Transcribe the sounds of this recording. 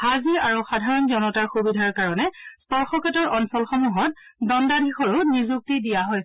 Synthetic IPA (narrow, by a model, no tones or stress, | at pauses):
haziaɹuxadʱaɹɔnzɔnɔtaɹxubidʱaɹkaɹɔnɛspɔɹxɔkʰɛtɔɹɔnsɔlxɔmuɦɔt̚dɔndadʱixɔɹunizuk̚tidijaɦɔj